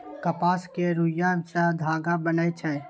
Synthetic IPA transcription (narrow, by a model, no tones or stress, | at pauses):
kəpaːskeɾujasad̪ʱaːɡabənat͡ʃʰɛː